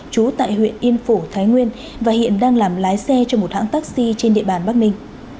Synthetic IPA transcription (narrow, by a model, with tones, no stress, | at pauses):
t͡ɕu˨˦t̪a̰ː˧˨jhwḭ˧˨ənʔi˧ənfu˧˩t̪ʰaː˨˦jŋwi˧ən | vaː˨˩hḭ˧˨ənɗaː˧ŋlaː˨˩mlaː˨˦jsɛ˧t͡ɕɔ˧mo˨˩t̚ha̰ː˧˥ŋt̪aː˦˥k̚si˧t͡ɕe˧nɗḭ˧˨əɓaː˨˩nɓaː˦˥k̚nï˧ŋ̟